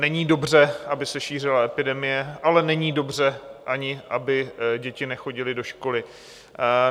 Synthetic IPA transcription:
nɛɲiːdo̞br̝ɛʔabɪsɛʃiːr̝ɪlaɛpɪdɛmɪjɛʔalɛnɛɲiːdo̞br̝ɛʔaɲɪʔabɪɟɛcɪnɛxo̞ɟɪlɪdo̞ʃko̞lɪ

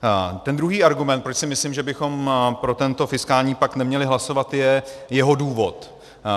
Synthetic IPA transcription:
t̪ɛnd̪ɾuɦiːaɾɡumɛnt̪pɾot͡ʃsɪmɪslɪmʒɛbɪxo̞mpɾo̞t̪ɛnt̪o̞fɪskaːlɲiːpaknɛmɲɛlɪɦlaso̞vat̪jɛjɛɦo̞duːvo̞t̪

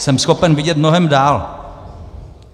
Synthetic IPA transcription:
sɛmsxo̞pɛnvɪɟɛt̪̚mnoɦɛmdaːl

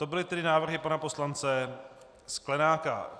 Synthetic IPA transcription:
t̪o̞bɪlɪt̪ɛdɪnaːvr̩ɦɪpanapo̞slant͡sɛ | sklɛnaːka̰

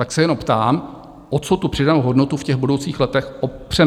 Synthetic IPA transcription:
t̪aksɛjɛnompt̪aːm | ʔot͡sot̪upr̝̥ɪdanuɦo̞dno̞t̪ufcɛɣbudowt͡siːxlɛt̪ɛxʔopr̝̥ɛ

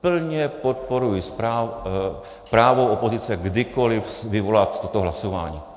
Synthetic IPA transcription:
pl̩ɲɛpot̪̚po̞ɾujɪspɾa | pɾaːvowʔopozɪt͡sɛɡdɪkolɪfsvɪvo̞lat̪t̪ːot̪oɦlasova̰ːɲḭː

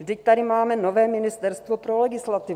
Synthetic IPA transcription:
vd̪ɪc̚t̪adɪmaːmɛnovɛːmɪnɪst̪ɛɾst̪vopɾolɛɡɪslat̪ɪ

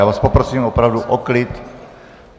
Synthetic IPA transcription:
aːvaːspopɾosiːmopɾawduʔɔklit̪

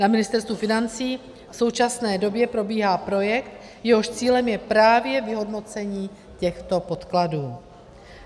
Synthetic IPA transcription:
namɪnɪst̪ɛɾst̪vufɪnant͡siː | fso̞wt͡ʃasnɛːdo̞bjɛpɾo̞biːɦaːpɾo̞jɛkt̪ | jɛɦo̞ʃt͡siːlɛmjɛpɾaːvjɛvɪɦo̞dno̞t͡sɛɲiː | cɛxt̪o̞po̞t̪kladuː

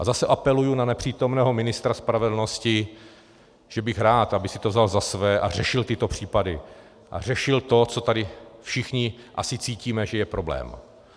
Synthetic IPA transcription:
ʔazasɛʔapɛlujunanɛpr̝̥iːt̪omnɛːɦo̞mɪnɪst̪ɾaspɾavɛdl̩no̞scɪ | ʒ̥ɛbɪxɾaːt̪ʔabɪxsɪ̥t̪ovzalzasvɛːʔar̝ɛʃɪlt̪ɪt̪o̞pr̥iːpadɪ | ʔa̰r̝ɛʃɪlt̪o̞t͡so̞t̪adɪfʃɪxɲɪʔa̰sɪt͡siːciːmɛʒɛjɛpɾo̞blɛ̰ːm

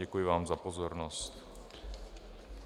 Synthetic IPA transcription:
ɛkujɪvaːmzapozoɾnost̪

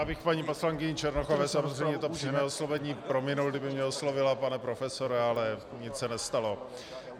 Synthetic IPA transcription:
jaːbɪxpaɲiːposlaŋkɪɲɪt͡ʃɛɾnoxovɛsamozrɛjɲɛt̪opr̥imɛoslovɛɲiːpɾomɪnulɡdɪbɪmɲɛoslovɪlapanɛpɾofɛso̞ɾɛalɛ | ɲɪt͡ssɛnɛst̪alo̞

